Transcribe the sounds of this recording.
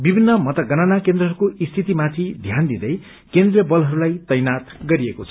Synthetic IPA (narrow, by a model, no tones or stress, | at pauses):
bibʱinːʌmʌt̪ʌɡʌnanakend̪rʌɦʌɾukoist̪ʰit̪imat̪ʰid̪ʱjand̪id̪ʌj | kend̪rijʌbʌlɦʌɾulajt̪ʌjnat̪ɡʌɾiekot͡sʰʌ̥